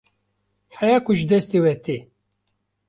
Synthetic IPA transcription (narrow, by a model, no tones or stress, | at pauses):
ħɛjaːkʊʒd̪ɛst̪ewɛt̪e